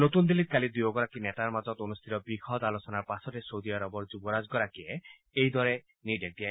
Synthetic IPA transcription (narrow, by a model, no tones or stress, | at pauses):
not̪und̪ilːit̪̚kalid̪ujoɡɔɾakinet̪aɾmad͡ʒɔt̪onust̪ʰit̪ɔbikʰɔd̪alosɔnaɾpasɔt̪esowd̪iaɾɔbɔɾd͡ʒubɔɾad͡zɡɔɾakie | ejd̪ʱɔɾe | niɖek̚d̪ija